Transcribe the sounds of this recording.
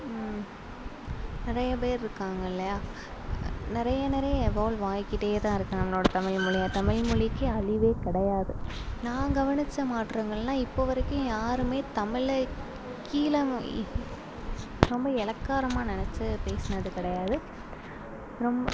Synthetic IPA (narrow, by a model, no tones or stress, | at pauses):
nɪɾɐjɐpeːɾɪɾɯkːaːŋɡɐɪlːɐjaː | nɪɾɐjɐnɪɾɐɐjɛʋoːlʋaːjkːɪʈːeːɐt̪ãːɪɾɯkːɯnɐmːɐloːɽɐt̪ɐmɪɭmʊɭɪjaːt̪ɐmɪɭmʊɭɪkːɯɐɭɪʋeːkɪɽɐjaːðɯnãːɡɐʋɐnɪt͡ʃːɐmaːʈːɾeːŋɡɐɭnaːɪpːoʋɐɾɐkːʊ̃jaːɾɯmeːt̪ɐmɪɭ | kiːlɐ | ɾɔmbɐɛlɐkːaːɾɐmaːnɪnɛt͡ʃːɯpeːsɐnɐðɯkɪɽɐjaːðɯ | ɾɔmbɐ